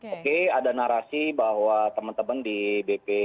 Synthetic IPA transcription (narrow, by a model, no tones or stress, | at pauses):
okeadanaɾasibaɦwat̪əmant̪əmandibepe